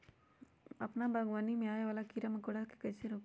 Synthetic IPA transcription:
ɐpnabʱaɡʋaːnimẽaːjʋaːlakiɾamɐkoːɽake̥kɐjseɾoːk

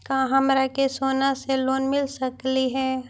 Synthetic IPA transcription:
kãɦɐmɾakesoːnaseloːnmɪlsəkliɦɛː

